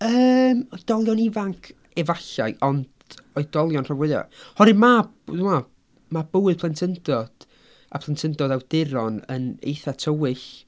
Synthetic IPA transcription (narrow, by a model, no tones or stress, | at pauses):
əːmɔjd̥ɔlˠjɔnɪvaŋkʰ | ɛvaɬa̰ɨʔɔnd | ɔɨd̥ɔlˠjɔnr̥avwɛða̰hɔɾɨma | ðʊma | mab̥ʊɨð̥pʰlˠantʰəndɔd̥ | apʰlˠantʰəndɔdawdɪɾɔnə̰nḛjθatʰəwɪɬ